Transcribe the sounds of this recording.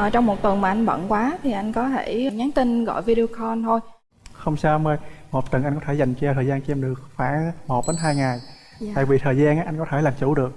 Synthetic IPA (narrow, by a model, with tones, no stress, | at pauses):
ʔəː˨˩t͡ɕɔ˧wŋ͡mmo˨˩t̚t̪ə˨˩ŋmaː˨˩ʔa˧ŋ̟ɓə̰˧˨nkwaː˨˦t̪ʰi˨˩ʔa˧jŋ̟kɔ˨˦t̪ʰe˧˩˨ɲaː˨˦nt̪ï˧nɣɔ̰˧˨jvi˧ɗi˧o˧kʰɔ˧nt̪ʰo˧j | xə˧wŋ͡msaː˧wməː˧jmo˨˩t̚t̪ə˨˩nʔa˧jŋkɔ˨˦t̪ʰe˧˩za˨˩jŋ̟t͡ɕɔ˧t̪ʰəː˨˩jzaː˧nt͡ɕʔɛ˧mɗɨ˨˩ək̚faː˧˥ŋmo˨˩t̚ɗe˨˦nɦaː˧jŋa˨˩j | t̪a̰ː˧˨jvi˨˩t̪ʰəː˨˩jzaː˧nʔaː˦ʔa˧jŋ̟kɔ˨˦t̪ʰe˧˩laː˨˩mt͡ɕu˧˩˥ɗɨ˨˩ək̚